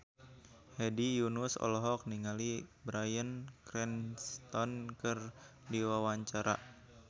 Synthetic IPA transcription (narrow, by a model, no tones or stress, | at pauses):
hɛdijunusɔ̰lɔɦɔk̚niŋalibɾajənkɾɛnst̪ɔnkɨr | diwawaɲt͡ʃaɾa̰